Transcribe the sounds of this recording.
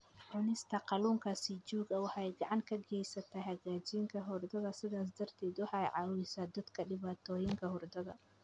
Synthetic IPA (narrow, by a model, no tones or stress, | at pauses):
ʕʊnɪst̪ʰɐqɑluːŋkʰasid͡ʒuːɡɐwɑħjɡɑʕɑŋkʰɐɡɛjsɐt̪ʰaɦɐɣaːt͡ʃiŋkʰɐɦʊrd̪ɐðɐsɪðaːs̬d̪ɐrt̪ʰɛːd̪wɑħɑjʕɑwɪsaːd̪ɐd̪kʰɐɖɪβaːt̪ʰɔːjɪŋkʰɐhɔrd̪ɐðɐ̰